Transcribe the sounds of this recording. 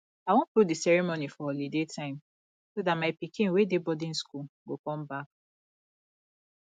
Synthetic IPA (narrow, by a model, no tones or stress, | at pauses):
awɔ̃pɾodisɛɹimonifɔolidetʰãɪ̃m | sodamaɪpikĩnwedebɔdĩnskulɡokɔ̃mbak̚